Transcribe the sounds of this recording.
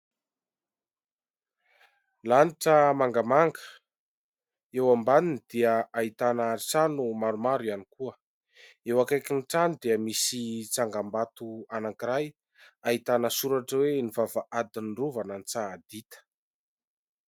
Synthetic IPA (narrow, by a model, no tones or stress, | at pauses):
laniʈ͡ʂəmaŋɡamaŋɡə̥ | ewambaninid̪̥iəait̪anət͡sanumaɾumaɾuanikuə | ewakajkinʈ͡ʂanud̪iəmisit͡saŋɡambat̪uanakiɾaj | ait̪anəsuɾaʈ͡ʂəwenivavaʔad̪inruvanant͡sad̪it̪ə̥